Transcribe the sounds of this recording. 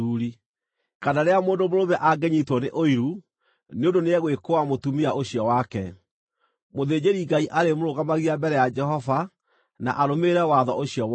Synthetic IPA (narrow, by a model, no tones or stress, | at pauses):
uːɾi | kadaɾeamoːndomoɾoβɛʔaɡɛɲitwɔneʔoiɾu | neondoneɛɣwekoamotumiaoɕiɔwakɛ | moðeːd͡ʑeɾiɡaiʔaɾemoɾoɣamaɣiabɛɾɛjad͡ʒɛɦɔva | na̰ʔaɾomeɾɛwaðɔʔoɕijɔ